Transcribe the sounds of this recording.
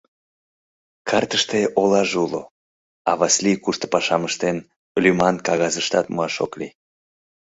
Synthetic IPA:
kʰɑrt̪əʃt̪eʔolɑʒulo̰ | ɑβɑslikuʃt̪o̥pɑʃɑməʃt̪en | lymɑnkɑɣɑzəʃt̪ɑt̪muɑʃo̰klḭ

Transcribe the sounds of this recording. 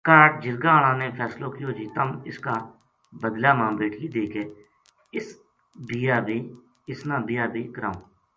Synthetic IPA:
kaːʈ̚d͡ʒɪɾɡãːl̃ãːnẽːpʰɛːsloːkioːd͡ʒiːt̪əmɪ̰skaː | bəd̪laːmãːbeːʈʰiːd̪eːkeː | ɪs | bijaːbiː | ɪsnãːbɪjaːbiːkəɾã̰ːõː

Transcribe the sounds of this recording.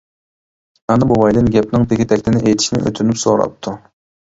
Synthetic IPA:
ɑnɨbobɑjd̪ɨnɡʲɛp̚nɪŋt̪ʰɪkʲit̪ʰɛkʲt̪ʰɪnɪʔejt̪ʰiʃinɪ̰ʔø̰t̪ʰynypsoɾɑ̰p̚t̪ʰːu

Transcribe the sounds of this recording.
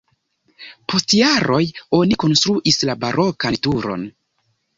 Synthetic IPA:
pʰo̞stjaɾo̞jo̞niko̞nstɾuʔislabaɾo̞kantuɾo̞̰n

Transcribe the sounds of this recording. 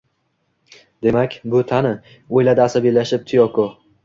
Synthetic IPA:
d̪e̞makʲbʊt̪ʰanɪ | ojlad̪aːsabijlaʃɪp̚t̪ʰʊjɒkʰo

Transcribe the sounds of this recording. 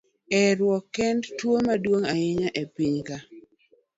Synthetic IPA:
ɛɾwɔkːɛndtwomadwoŋajɪɲaʔepiɲka

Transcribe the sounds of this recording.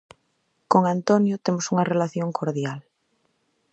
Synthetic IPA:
koŋant̪onjʊt̪emosuŋɐrelaθjoŋkʰoɾðjal

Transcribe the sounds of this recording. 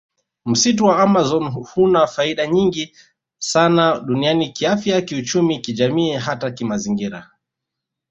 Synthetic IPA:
m̩situwaamazɔnhunafaiɗaɲiŋɡi | sanaɗunianikiafjakiut͡ʃumikiʄamiːɦatakimaziŋɡiɾa

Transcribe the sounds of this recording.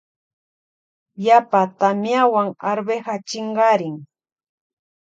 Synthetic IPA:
japat̪amjawaŋaɾbehat͡ʃɪɴɢɑɾɪŋ

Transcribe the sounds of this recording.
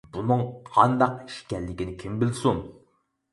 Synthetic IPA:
bunɨŋqʰɑnd̪ɑqi̥ʃkʲɛlːɪkʲinɪkʲʰimbɪlsun

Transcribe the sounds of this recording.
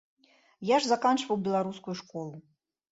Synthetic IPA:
jaʐzakant͡ʂvɐwbʲɛlˠaɾuskujuʂkɔlˠu

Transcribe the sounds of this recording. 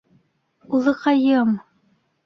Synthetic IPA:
ulˠɤqɑjɤm

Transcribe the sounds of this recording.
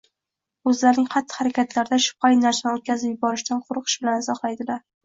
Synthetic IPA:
ɵzlaɾnɪŋχɑt̪ːɪ̥haɾakʲʰat̪laɾd̪aʃʊ̥p̚qʰɑjnaɾsɪnot̪̚kʲʰazɪpjɪbɒɾɪʃd̪anqʰʊɾqʰɨ̥ʃbɪlanzɒχlˠajd̪ɪlaɾ

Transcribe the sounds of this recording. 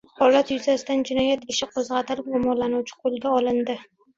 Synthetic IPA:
hɒlat̪jʊzasɪt̪and͡ʒɪnɒjat̪eʃɪqʰozʁɑt̪ʰɪlɡomɒlanʊwt͡ʃʰɪ̥qʰolˠɡʲaɒlɪnd̪ɪ

